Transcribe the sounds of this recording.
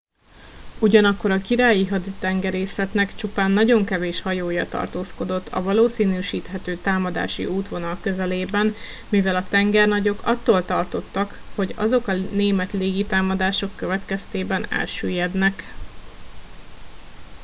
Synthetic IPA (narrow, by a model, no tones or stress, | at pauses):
uɟɒnɒkːo̞ɾɒkiɾaːjiɦɒd̪it̪ɛŋɡɛɾeːsɛt̪nɛkt͡ʃupaːnːɒɟo̞ŋkɛveːʃhɒjoːjɒt̪ɒ̰rt̪oːsko̞d̪o̞t̪ʰːɒ̰vɒloːsiːnyːʃiːt̪ɦɛt̪øːt̪aːmɒd̪a̰ːʃḭʔuːt̪ʋo̞nɒlkø̞zɛleːbɛn | mivɛlɒt̪ɛŋɡɛrnɒɟo̞kɒ̰t̪ːoːlt̪ɒrt̪o̞t̪ːɒkho̞ɟɒ̰zo̞kɒneːmɛt̪leːɡit̪aːmɒd̪aːʃo̞kːøvɛt̪kɛst̪eːbɛnɛ̰lʃyːjɛd̪nɛk